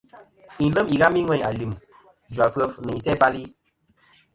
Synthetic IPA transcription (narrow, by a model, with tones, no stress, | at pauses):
i˨lə˦mi˨ɣa˦mi˦ŋwɛ˦˨a˨li˨m | d͡ʒwa˨fə˦fnɨ˨ɲi˨sɛ˦ba˦li˦